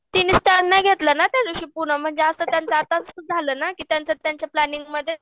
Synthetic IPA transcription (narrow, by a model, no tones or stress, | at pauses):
t̪iniːst̪anːaɡʱet̪lənat̪jad͡zoɕiːpuɳəm̤əɳd͡zeəsəːt̪jant͡səat̪ad͡zəst̪ud͡zʱaləːnakiːt̪jant͡sət̪jaɲt͡ɕjaplæniŋɡməd̪ʱːje